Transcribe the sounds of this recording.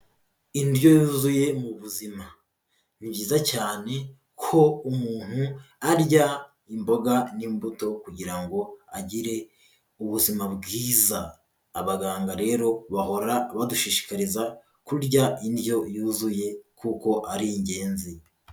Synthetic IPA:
indjo̞juːzuje̞muβuzima | niβɟiːzacaːne̞ | kʰo̞umuːn̥huaɾja | imbo̞ɡanimbuto̞kuɟiɾaŋɡo̞aɟiɾe̞ | uβuzimabɡiːzaː | βaɡaːŋɡaɾe̞ːɾo̞βaho̞ɾaβaduʃiʃi̥kaɾiza | kuɾɟaindjo̞juːzuje̞kuko̞ʔaɾiiɲɟe̞ːnzi

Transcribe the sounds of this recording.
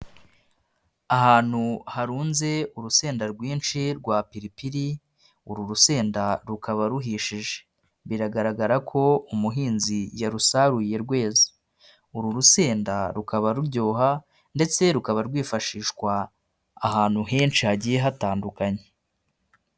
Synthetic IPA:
aɦaːn̥huhaɾuːnze̞uɾuse̞ːndaɾɡwiːnʃiɾɡwaːpiɾipiɾi | uɾuɾuse̞ːndaɾukʰaβaɾuɦiːʃiʒe̥ | βiɾaɡaɾaɡaɾakʰo̞umuɦiːnzijaɾusaɾuje̞ɾɡwe̞ːzi̥ | uɾuɾuse̞ːndaɾukʰaβaɾuɾɟo̞ːɦa | nde̞t͡se̞ɾukaβaɾɡwiːfaʃiːʃkwaː | ɦaːnhuɦe̞ːnʃihaɟiːje̞ɦataːndukaɲe

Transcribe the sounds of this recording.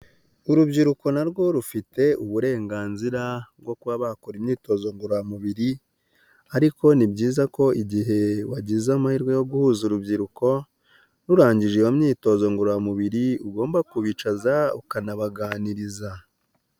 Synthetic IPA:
uɾubɟiɾuko̞naɾɡo̞ɾufite̞uβuɾe̞ːŋɡaːnziɾabɡwo̞kuβaβakoɾimɲiːto̞zo̞ŋɡuɾojamuβiɾi | aɾiko̞nibɟiːzako̞iɟiɦe̞waɟizamahiɾɡwe̞jo̞ɡuhuːzuɾubɟiɾuko̞ | ɾuɾaːɲɟiʒejomɲiːto̞zo̞ŋɡuɾojamuβiɾiuɡo̞ːmbakuβit͡ʃazaukanaβaɡaːniɾiza

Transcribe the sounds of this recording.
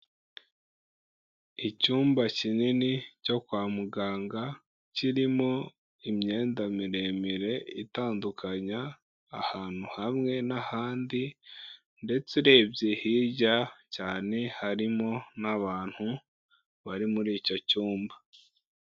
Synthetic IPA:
icuːmbacininico̞kwaːmuɡaːŋɡa | ciɾimo̞ | imɲe̞ːndamiɾe̞miɾe̞itaːndukʰaɲaː | haːn̥huhamŋe̞nahaːndi | nde̞t͡seɾe̞bjehiːɟacaːne̞haɾimo̞naβaːn̥hu | βaɾimuɾiːco̞cuːmba

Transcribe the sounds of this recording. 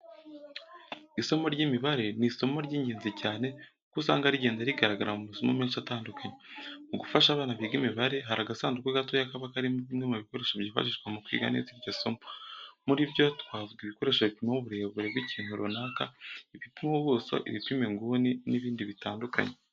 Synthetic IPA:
iso̞mo̞ɾɟimiβaɾe̞niso̞mo̞ɾɟiːɲɟeːnzicaːne̞ | kusa̰ːŋɡaɾiɟe̞ːnzaɾiɡaɾaɡaɾamumuzomomiːnʃataːndukʰaɲeuɡufaʃaːβaːnaβiːɡimiβaɾe̞ɦaɾaɡasaːnzukwiɡatojakaβakaɾimuβimŋe̞muβiko̞ɾe̞ːʃobɟiːfa̰ʃ̬iʃkwamukwḭɡa̰nḛziɾɟoso̞momuɾibjo̞twaːvuɡiβiko̞ɾe̞ːʃaβitumamuβuɾe̞βuɾe̞bɡwiciːn̥huɾʔonaːkaifitemoβuːso̰ʔḭβipimeŋɡuːniniβiːndiβitaːndukʰa̰ɲe

